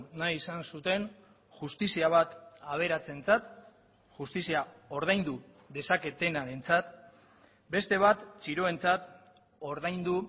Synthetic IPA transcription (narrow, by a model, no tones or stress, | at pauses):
najisansut̪e̞n | ʝust̪isiaβ̞at̪aβ̞e̞ɾat͡se̞nt͡sat̪ | ʝust̪isiao̞ɾð̞ajnd̪u | ðe̞sake̞t̪e̞naɾe̞nt͡sat̪ | be̞st̪e̞β̞at̪t͡ʃiɾo̞e̞nt͡sat̪ | o̞ɾðajnd̪u